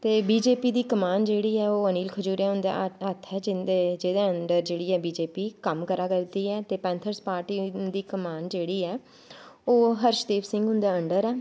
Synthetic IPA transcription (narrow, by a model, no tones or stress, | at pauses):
t̪eːbiːd͡ʒeːpiːd̪iːkəmaːnd͡ʒeːɽiːɛːoːəniːlkʰəd͡ʒuːɾẽːɦʊ̃nd̪a̰ːət̪ʰɛːd͡ʒɪed͡ʒeːd̪eːəɳɖəɾd͡ʒeːɽiːɛːbiːd͡ʒeːpiːkəmkəɾaːkəɾd̪iːɛːt̪eːpɛ̃ːnt̪ʰəɾspaːɾʈiːd̪iːkəmaːnd͡ʒeːɽiːɛː | oːɦəɾʃd̪eːbsɪ̃ŋɡɦʊ̃nd̪aːəɳɖəɾɛː